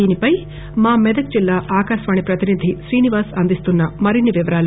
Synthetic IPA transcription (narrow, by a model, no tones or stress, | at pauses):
iːnipɐj | maːmɛd̪ɐk̚d͡ʒilːaːʔaːkaːʃʋaːɳipɾɐt̪inid̪ʱiʃɾiːniʋaːsɐnd̪ist̪unːɐmɐɾinːiʋiʋɐɾaːlɐ